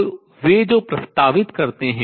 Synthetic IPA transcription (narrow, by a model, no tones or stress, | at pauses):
ʋed͡ʒoːpɾɐst̪aːʋɪt̪kɐɾt̪eɦɛ̃